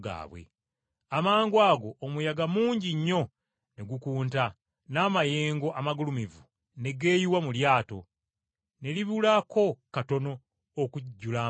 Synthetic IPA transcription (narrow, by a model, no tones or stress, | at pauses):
ɡa̰ːβwḛ | amaːŋɡwaːɡo̞ːmujaɡamuːɲɟiɲːo̞ | ne̞ɡukuːnta | naːmaje̞ːŋɡo̞ʔamaɡulumivu | ne̞ɡe̞ːjiwamuljaːto̞̰ | ne̞liβulako̞kato̞no̞ː | kuɟːula